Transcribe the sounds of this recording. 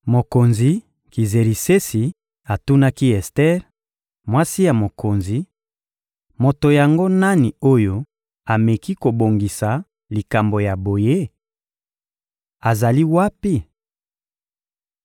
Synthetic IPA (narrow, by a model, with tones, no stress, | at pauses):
mo˨ko˨nzi˨ | ki˨ze˨ʁi˨se˦si˨ | a˨tu˦na˦ki˦ɛ˨stɛ˦ʁ | mwa˦si˦ja˨mo˨ko˨nzi˨ | mo˨to˨ja˨ŋɡo˦na˦ni˨o˦jo˦ | a˨me˨ki˦ko˨bo˨ŋɡi˨sa˨ | li˨ka˨mbo˨ja˨bo˨je˦ | a˨za˨li˦wa˦pi˦